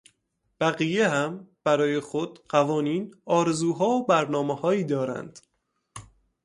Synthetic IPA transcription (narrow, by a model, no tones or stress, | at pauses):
b̥æɣijeɦæmb̥æɾɒːje̞xod̪̥ɢævɒːniːnɒːɾe̞zuːɦɒːobæɾnɒːmehɒːiːd̪ɒːɾæ̰nd̪̥